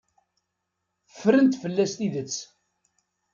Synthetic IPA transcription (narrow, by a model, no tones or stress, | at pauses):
əfɾənt̪fəlːæst̪iðət͡sː